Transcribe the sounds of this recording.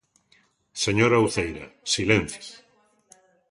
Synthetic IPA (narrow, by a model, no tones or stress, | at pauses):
seɲoɾawθejɾɐ̰silẽn̟θjs